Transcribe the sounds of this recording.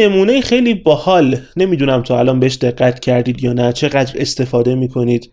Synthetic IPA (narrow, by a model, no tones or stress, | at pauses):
e̞muːnejixejliːbɒːhɒːlne̞miːd̪uːnæmt̪ʰoælɒːnbeeʃd̪e̞ɢːæt̪ʰcʰæɾd̪iːd̪jɒːnæt͡ʃʰe̞ɣæd̪ɾe̞̰st̪e̞fɒːd̪e̞miːkʰo̞niːd̪̥